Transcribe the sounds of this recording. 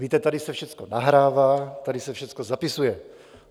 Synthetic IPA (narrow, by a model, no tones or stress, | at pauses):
viːt̪ɛt̪adɪsɛfʃɛt͡skonaɦɾaːvaːt̪adɪsɛfʃɛt͡skozapɪsujɛ